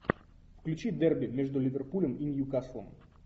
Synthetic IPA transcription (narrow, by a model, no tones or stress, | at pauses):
fklʲʉt͡ɕid̪ɛrbʲɪmʲeʐd̪ʊlʲɪvʲɪrpulʲəminʲjukaslˠə̰m